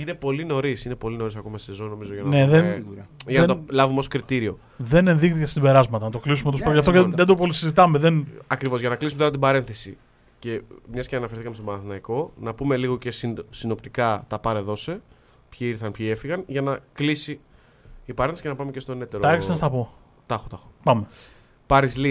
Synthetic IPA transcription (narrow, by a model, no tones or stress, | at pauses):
ine̞po̞lino̞ɾisinepo̞lino̞ɾisɐko̞mɐsezo̞no̞mizo̞ʝɐnneðeʝɐnɐt̪olɐvumeo̞skɾit̪iɾio̞ | ðenenðixt̪icest̪ibe̞ɾɐzmɐt̪ɐnɐt̪oklisumeospɾʝɐft̪oeðed̪opolisizit̪ɐmeðenɐkɾivo̞zʝɐnɐklisumet̪oɾɐt̪̬ibɐɾe̞nθe̞sḭ | ce̞mɲɐsceɐnɐfeɾθikɐmest̪obɐnɐθinɐiko̞nɐpume̞liɣo̞ce̞ssino̞pt̪ikɐt̪ɐpɐɾe̞ðo̞se̞ | pçiiɾθɐnpçie̞fiɣɐnʝɐnɐklisi | ipɐɾeθesicenɐpɐme̞cest̪o̞ne̞t̪eɾoɐeksnɐst̪ɐpo̞ | t̪ɐxot̪ɐxopɐme | pɐɾizli